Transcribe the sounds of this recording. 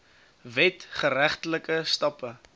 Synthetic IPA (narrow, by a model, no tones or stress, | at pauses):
vɛtχəɾæχtələkəstɑpə